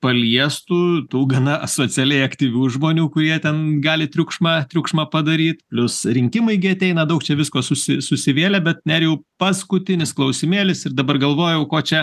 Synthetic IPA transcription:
pɐlʲiɛst̪uːt̪uːɡɐnɐɐsoːt͡sʲɪɐlʲɛɪɐkt̪ʲiːʋʲuːʒmoːnʲuːkʊɾʲiɛt̪ʲɛnɡɑːlʲɪt̪ʲɾʲʊkʃmɑːt̪ʲɾʲʊkʃmɑːpɐd̪ɐɾʲiːt̪pʲlʲʊsɾʲɪŋʲkʲɪmʊɪɡʲɪɐt̪ʲɛɪnɐd̪ɐʊk̚t͡ʃʲɛʋʲɪskoːsʊsʲɪsʊsʲɪʋʲeːlʲɛbʲɛt̪nʲæɾjɛʊpɐskʊt̪ʲɪnʲɪsklˠɐʊsʲɪmʲeːlʲɪsɪrd̪ɐbɐrɡɐlˠʋoːjɛʊkoːt͡ʃʲɛ

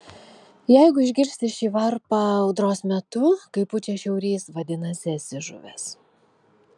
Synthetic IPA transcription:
jɛɪɡʊɪʒʲɡʲɪɾʲsʲt̪ʲɪʃʲiːʋɐɾpɐɐʊd̪ɾoːsmʲɛt̪ʊkɐɪpʊt͡ʃʲɛʃʲɛʊɾʲiːsʋɐd̪ʲɪnɐsʲɪɐt̪ʲsʲɪʒʊ̰ʋʲɛ̰s

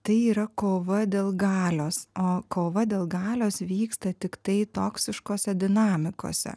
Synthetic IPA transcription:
t̪ɐɪiːɾɐkoːʋɐd̪ʲeːlˠɡɑːlʲoːsoːkoːʋɐd̪ʲeːlˠɡɑːlʲoːsʋʲiːkst̪ɐt̪ʲɪkt̪ɐɪt̪oːksʲɪʃkoːsʲɛd̪ʲɪnɑːmʲɪko̰ːsʲɛ̰

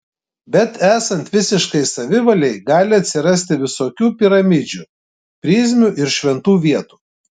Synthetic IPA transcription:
bʲɛt̪æːsɐnt̪ʋʲɪsʲɪʃkɐɪsɐʋʲɪʋɐlʲɛɪɡɑːlʲɪɐt̪ʲsʲɪɾɐsʲt̪ʲɪʋʲɪsoːkʲuːpʲɪɾɐmʲɪd͡ʒʲuː | pʲɾʲiːzʲmʲʊʔɪɾʃʲʋʲɛnt̪uːʋʲiɛt̪uː

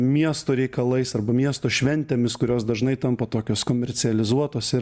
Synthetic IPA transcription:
mʲiɛst̪oːɾʲɛɪkɐlˠɐɪsɐɾbɐmʲiɛst̪oːʃʲʋʲɛnʲt̪ʲeːmʲɪskʊɾʲoːsd̪ɐʒnɐɪt̪ɐmpɐt̪oːkʲoːskoːmʲɛɾʲsʲɪɐlʲɪzuɔt̪oːsɪɾ

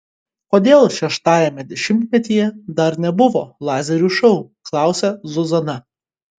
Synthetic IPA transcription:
koːd̪ʲeːlˠʃʲɛʃt̪ɑːjɛmʲɛd̪ʲɛʃʲɪmʲt̪ʲmʲɛt̪ʲiːjɛd̪ɐɾnʲɛbʊʋo̰ːlˠɑːzʲɛɾʲuːʃɔʊklˠɑˑʊsʲɛzʊzɐnɐ

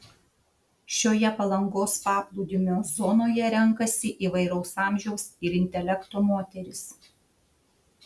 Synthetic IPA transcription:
ʃʲoːjɛpɐlˠɐŋɡoːspɑːplˠud̪ʲɪmʲoːzɔːnoːjɛɾʲɛŋkɐsʲɪʔiːʋɐɪɾɐʊsɑːmʲʒʲɛʊsɪɾɪnʲt̪ʲɛlʲɛkt̪omoːt̪ʲɛɾʲɪs

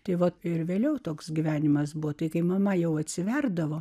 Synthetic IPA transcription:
t̪ɐɪʋɐtɪɾʋʲeːlʲɛʊt̪oːksɡʲiʋʲæːnʲɪmɐsbuʋot̪ɐɪkɐɪmɐmɐjɛʊɐt̪ʲsʲɪʋʲɛrd̪ɐʋoː

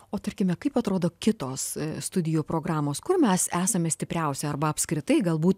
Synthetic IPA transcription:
oːt̪ɐɾʲkʲɪmʲɛkɐɪpɐt̪ɾoːd̪oːkʲɪt̪oːsst̪ʊd̪ʲɪjuːpɾoːɡɾɑːmoːskʊrmʲɛsæːsɐmʲɛsʲt̪ʲɪpʲɾʲɛʊsʲɛɐrbɐɐpʲskɾʲɪt̪ɐɪɡɐlˠbuːt̪

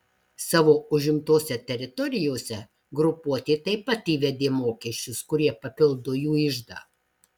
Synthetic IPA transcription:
sɑːʋoːʊʒʲɪmt̪oːsʲɛt̪ʲɛɾʲɪt̪ɔɾʲɪjoːsʲɛ | ɡɾʊpuɔt̪ʲeːt̪ɐɪpɐt̪iːʋʲɛd̪ʲeːmoːkʲɛʃʲt͡ʃʲʊskʊɾʲiɛpɐpʲɪlˠd̪oːjuːɪʒd̪ɑ̰ː

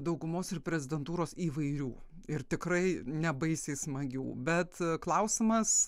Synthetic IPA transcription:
d̪ɐʊɡʊmoːsɪɾpʲɾʲɛzʲɪd̪ʲɛnt̪uːɾoːsiːʋɐɪɾʲuː | ɪɾt̪ʲɪkɾɐɪnʲɛbɐɪsʲeɪsmɐɡʲṵːbʲɛt̪klˠɐʊsʲɪmɐs

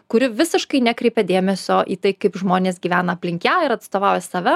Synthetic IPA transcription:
kʊɾʲɪʋʲɪsʲɪʃkɐɪnʲækɾʲɛɪpʲɛd̪ʲeːmʲɛsʲoːʔḭːt̪ɐɪkɐɪpʒmoːnʲeːsɡʲiːʋʲæːnɐɐpʲlʲɪŋʲkʲæɪɾɐt̪st̪oːʋɑˑʊjɛsɐːʋʲɛ

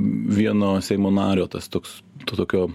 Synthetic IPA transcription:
ʋʲiɛnoːsʲɛɪmoːnɑːɾʲoːt̪ɐst̪oːkst̪oːt̪oːkʲoː

